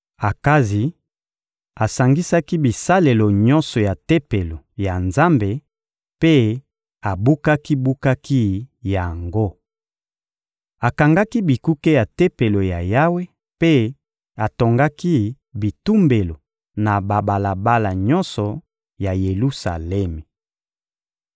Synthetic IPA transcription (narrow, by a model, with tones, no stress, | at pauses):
a˨ka˦zi˨ | a˨sa˨ŋɡi˦sa˦ki˦bi˨sa˦le˨lo˨ɲɔ˦nsɔ˨ja˨te˦pe˨lo˨ja˨nza˦mbe˨ | pe˦ | a˨bu˦ka˦ki˦bu˦ka˦ki˦ja˨ŋɡo˦ | a˨ka˨ŋɡa˦ki˦bi˨ku˦ke˦ja˨te˦pe˨lo˨ja˨ja˦we˦ | pe˦ | a˨to˨ŋɡa˦ki˦ | bi˨tu˦mbe˨lo˨ | na˨ba˨ba˨la˨ba˦la˨ɲɔ˦nsɔ˨ | ja˨je˨lu˦sa̰˨lɛ˦me˨